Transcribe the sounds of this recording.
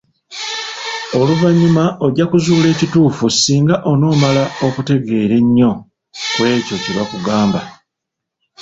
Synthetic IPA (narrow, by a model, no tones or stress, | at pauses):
o̞luvaɲːumao̞ɟakuzuːle̞ːcituːfusiːŋɡaʔo̞no̞ːmalao̞kute̞ɡe̞ːɾe̞ɲːo̞ | kwe̞ːco̞ciβakuɡaːmba